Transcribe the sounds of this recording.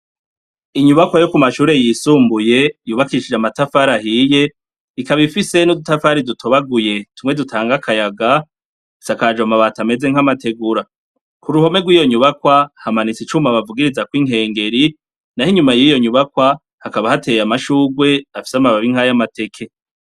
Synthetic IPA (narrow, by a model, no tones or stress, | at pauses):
iɲuβakwajo̞kumaʃuːɾe̞jiːsuːmbuje̞juːβakiiʃid͡ʒamatafaɾahiːje̞ | ikaβifise̞nudutafaɾidutʰoβaɡuje̞tumŋe̞dutʰaːŋɡakʰajaɡa | sakad͡ʒwamaβatame̞ze̞ŋ̥amate̞ɡuɾa | kuɾuho̞me̞ɡwiːjo̞ɲuβakwahamanit͡sit͡ʃumaβavuɡiɾizakwiŋɦe̞ːŋɡe̞ɾi | nahiɲumajiːjo̞ɲuβakwa | hakaβahate̞jamaʃuːɡwe̞afi̥samaβaβiŋhajamate̞kʰe̞